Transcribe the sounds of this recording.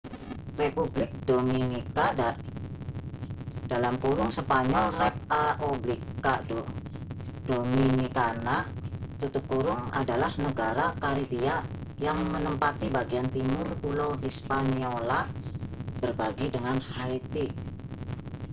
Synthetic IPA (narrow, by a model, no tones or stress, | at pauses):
republɪk̚dominika | dalamkuɾʊŋsəpaɲɔlrɛp̚aoblika | dominikanat̪ut̪up̚kuɾʊŋa̰dalahnəɡaɾakaɾibiajaŋmənəmpat̪ibaɡiant̪imʊrpulowɦispaniola | b̥ərbaɡidəŋanhait̪i